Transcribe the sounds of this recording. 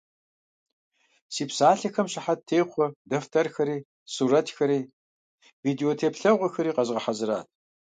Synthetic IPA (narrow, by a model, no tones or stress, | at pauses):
siːpsaːɬɐxɐmɕɐħat̚tʰeːχʷɔdɐftʰɐrxɐɾiː | suːɾɐtxɐɾiː | viːdeoːtʰeːpɬɐʁʷɔxɐɾiːqɐʑʁɐħazɨɾa̰ːt̚ʰ